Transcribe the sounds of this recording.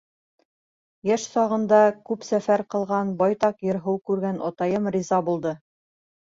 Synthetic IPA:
jæʃsɑʁɤ̆nd̪ɑkʉpsæfæɾqɤ̆lˠʁɑnbɑjt̪ɑqjɤ̆ɾɦɤwkʉɾɡænɒt̪ɑjɤmrʲizɑbulˠd̪ɤ

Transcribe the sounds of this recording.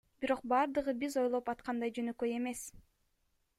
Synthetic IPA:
biɾo̞q̚bɑɾd̪ɯʁɯbizo̞jlˠo̞pɑt̪qɑnd̪ɑjd͡ʒønøkøje̞me̞s

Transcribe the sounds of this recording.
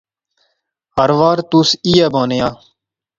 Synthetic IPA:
ɦəɾʋaːɾt̪usiːaːbaːnjaː

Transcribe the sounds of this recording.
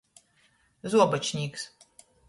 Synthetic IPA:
zuɔbɐt͡ʃnʲiks

